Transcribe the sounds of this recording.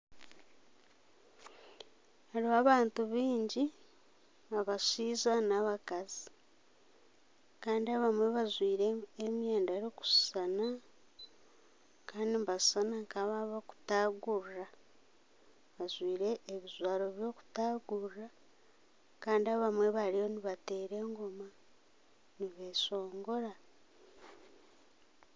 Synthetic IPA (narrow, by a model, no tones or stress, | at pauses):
haɾiaβaːntuβiːɲɟi | aβasiːzanaβakazi | kaːndiaβamwe̞βazwiːɾeemjeːndaɾoku̥ssana | kaːndimbassanaŋkaβaβoku̥taːɡurra | βazwiːɾe̞ːβizwaːɾo̞βjo̞ːku̥taɡurra | kaːndiaβamwe̞βaɾijoniβate̞ːɾe̞ːŋɡoma | niβe̞ːso̞ːŋɡo̞ɾa